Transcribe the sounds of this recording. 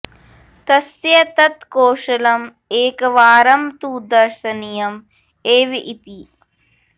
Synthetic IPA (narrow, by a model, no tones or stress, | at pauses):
t̪ɐsjɐt̪ɐt̪koːʃɐlɐm | eːkɐʋaːɾɐmt̪uːd̪ɐɾʃɐnijɐm | eːʋiʔit̪i